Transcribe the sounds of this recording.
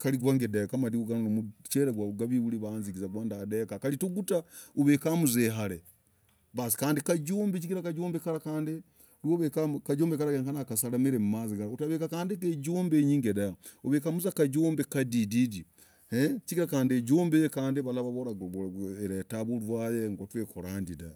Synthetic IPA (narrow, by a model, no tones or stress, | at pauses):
kaliɡwaːŋɡedekamadiuɡananomut͡ʃeɾeɡwaβuɡaβiβuliβanziɡizaɡwaːndadekakalituɡutauβekamuzeɦale | βasi̥kaːndikaɟoːmbeciɡiɾakaɟoːmbekaɾakaːndi | loβekakaɟoːmbekaɾaɡeŋkanakasalamiɾemumaziɡaɾautaβekakaːndikeɟoːmbeɲiːŋɡedaoβekamuzakaɟoːmbekadididi | het͡ʃiɡiɾakaːndeɟoːmbejekaːndiβalaβaβoɾaeɾetaβuɾwajeŋɡotweːkoɾaːndida